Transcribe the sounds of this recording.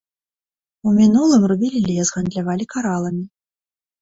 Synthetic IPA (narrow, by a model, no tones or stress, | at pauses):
umʲinulˠɨmrubʲilʲilʲɛzɣand̪lʲavalʲikaɾalˠɐmʲi